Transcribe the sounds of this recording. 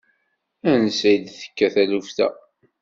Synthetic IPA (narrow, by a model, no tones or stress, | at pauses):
ænsæjd̪θə̥kːæθælufθæ̰